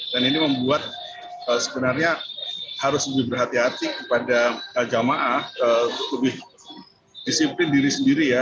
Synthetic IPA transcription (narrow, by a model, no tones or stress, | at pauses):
daniniməmbuat̪̚ | əsəbənarɲahaɾʊsləbɪhbərɦat̪iɦat̪ikəpadaəd͡ʒamaʔaəut̪ʊkləbɪh | disiplɪndiɾisəndiɾija